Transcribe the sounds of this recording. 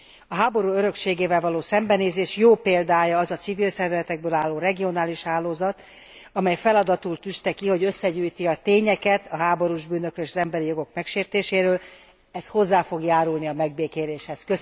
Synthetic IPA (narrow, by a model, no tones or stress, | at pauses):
ɒɦaːbo̞ɾuːøɾø̞kʃeːɡeːvɛlvɒloːsɛmbɛneːzeːʃjoːpeːld̪aːjɒːzɒt̪sivilsɛrvɛzɛt̪ɛɡ̚bøːlaːlːoːrɛɡio̞naːliʃhaːloːzɒt̪ | ɒmɛjfɛlɒd̪ɒt̪ult̪yst̪ɛkiho̞ɟøsːɛɟuːjt̪iɒt̪eːɲɛkɛt̪ɒɦaːbo̞ɾuːʒbyːnøkɾøleːʃɒzɛmbɛɾijo̞ɡo̞kmɛkʃeːrt̪eːʃeːɾøːl | ɛsho̞zːaːfo̞ɡjaːɾulniɒmɛɡ̚beːkeːɾeːʃhɛskø